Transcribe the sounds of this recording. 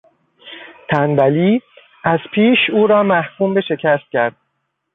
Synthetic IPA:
t̪ʰænbæliː | ʔæz̥pʰiːʃuːɾɒːmæhkʰuːmbe̞ʃe̞cʰæst̪̚cʲʰæɾd̪̥̚

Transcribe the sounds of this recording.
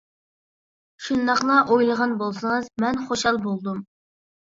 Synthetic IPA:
ʃund̪ɑχlˠɑʔojlˠəʁɑnbolˠsəŋɨzmɛnχoʃɑlˠbolˠd̪um

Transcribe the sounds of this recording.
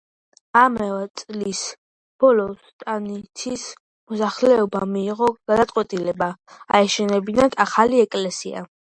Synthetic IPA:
amɛvɛt̪sʼlis | b̥ɔlɔst̪ʼanit̪ʰis | mɔsaχlɛɔbamiːʁɔɡ̥ad̪at̪sʼqʼwɛt̪ʼilɛbaaɛʃɛnɛbinad̪ʰaχaliɛkʼlɛsia̰

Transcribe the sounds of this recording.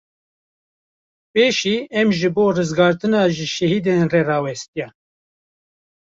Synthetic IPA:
peːʃiːɛmʒɨboːrɨzɡɑːɾt̪ɨnɑːʒɪʃɛhiːd̪enrerɑːwɛst̪ijɛ

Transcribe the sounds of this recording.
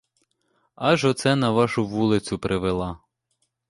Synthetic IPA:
ɑʒɔt̪sɛnɐʋɑʃʊʋulˠɪt͡sʲʊpɾʔɪʋelˠɑ

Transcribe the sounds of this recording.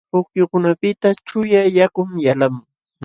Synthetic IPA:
pʊkjʊkʊnapɪt̪at͡ʃʊjajakʊmjalamʊ

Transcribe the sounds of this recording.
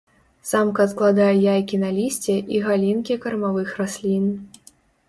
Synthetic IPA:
samkɐsklˠad̪ajɛjajkʲinalʲisʲt͡sʲɛʔiɣalʲinkʲikɐɾmavɨxrasʲlʲin

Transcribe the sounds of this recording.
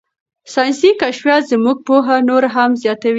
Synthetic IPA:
sɑjnsikaʃfjɑt̪zəmuɡ̚poɦanoɾaɦamzjɑt̪awi

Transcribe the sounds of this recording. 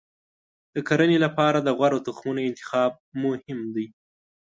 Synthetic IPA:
d̪̥əkaɾənelapɑɾad̪əɣwaɾot̪ʊxmunoɪnt̪ɪ̥xɑb̚mʊhɪmd̪aj

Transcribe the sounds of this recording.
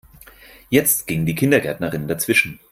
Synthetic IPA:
jɛt͡stɡ̥ɪŋdiːkʰɪndɐɡɛɐtnɐʁɪnndat͡sv̥ɪʃn̩

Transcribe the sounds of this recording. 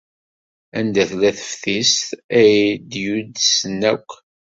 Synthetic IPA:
ænd̪æθlæθə̥fθist̪æjd̪jud̪snːækʷː

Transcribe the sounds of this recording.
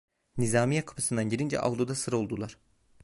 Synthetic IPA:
nizaːmijakʰḁpʰɯsɯnd̪anɟiɾind͡ʒɛ̰ʔa̰vd̪ud̪asɯɾo̞lˠd̪ulˠaɾ̥

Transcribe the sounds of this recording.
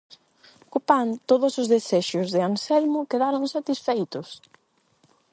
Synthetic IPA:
kopant̪oðʊsʊzðeseʃʊzðɪansɛlmʊkeðaɾonsat̪isfejt̪ʊs

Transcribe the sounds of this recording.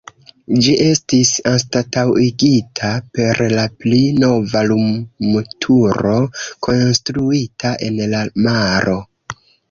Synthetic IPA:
d͡ʒiʔe̞stisanstatawiɡitʰape̞ɾlaplino̞valummutʰuɾo̞kʰo̞nstɾuitʰaʔe̞nlamaɾʔo̞

